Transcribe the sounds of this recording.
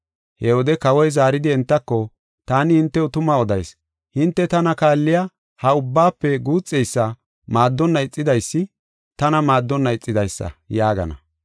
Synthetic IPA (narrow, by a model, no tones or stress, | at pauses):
hɛwɔd̪ɛkɐwɔjzaːɾɪd̪ɪɛnt̪ːɐkːɔ | t̪aːnɪhɪnt̪ːɛʊt̪ʊmɐɔd̪ɐ̰js | hɪnt̪ːɛt̪ɐnɐkaːlːɪja | hɐʊbːaːpːɛɡuːt͡sʼːɛjsːɐ | maːd̪ːɔnːɐɪt͡sʼːɪd̪ɐjsːɪ | t̪ɐnɐmaːd̪ːɔnːɐɪt͡sʼːɪd̪ɐjsːɐ̰jaːɡɐ̰nɐ̰